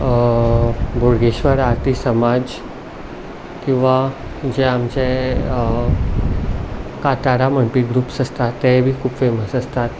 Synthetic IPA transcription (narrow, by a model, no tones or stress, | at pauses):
bʱoɾɡeɕʋəɾaɾt̪isəmad͡z | kĩw̃ʋa | d͡ʑɛamt͡ɕe | kat̪aɾaməɳpiɡɾuːpsəst̪at̪ːɛbʱiːkʰupfeməsəst̪at̪